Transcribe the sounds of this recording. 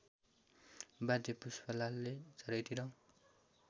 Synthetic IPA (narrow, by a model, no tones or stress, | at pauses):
badepuspʌlalːed͡zʌɾʌjt̪ʰiɾʌ̃